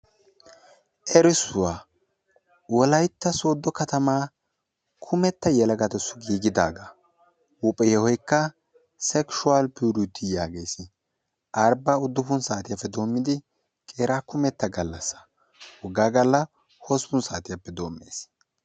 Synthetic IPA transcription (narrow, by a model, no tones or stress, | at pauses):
ʔɛɾɪsʊwaː | wɔlɐjt̪ːɐso̞ːd̪ːɔkɐt̪ɐmaː | kʰʊmɛt̪ːɐjɛlɐɡɐt̪ɛsʊɡiːɡɪd̪aːɡɐ | wʊpʼɛjɛhɔjkːɐ | sɛkʃʊalpuːɾʊt̪ʰːɪjaːɡe̞ːsɪ | ʔɐɾbaʊd̪ːʊfʊnsaːt̪ɪjafːɛd̪o̞ːmːɪd̪ɪ | kʼe̞ːɾaːkʊmɛt̪ːɐɡɐlːɐsːɐ̥ | hɔɡaːɡɐlːɐ | hɔspʊnsaːt̪ɪjapːɛd̪o̞ːmːḛːs